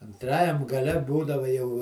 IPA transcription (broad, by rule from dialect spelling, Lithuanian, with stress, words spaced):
ɐnˈtrɑːjɛm ɡɐˈlʲɛ ˈbuːdɐʋɐ jɛʊ